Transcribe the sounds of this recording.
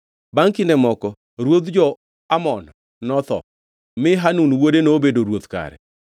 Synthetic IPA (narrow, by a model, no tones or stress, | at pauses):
baŋkɪndɛmɔkɔ | ɾwod̪d͡ʒɔ | amɔn | nɔt̪ɔ̰ | mɪɦanunwodenobedoɾwot̪ka̰ɾɛ̰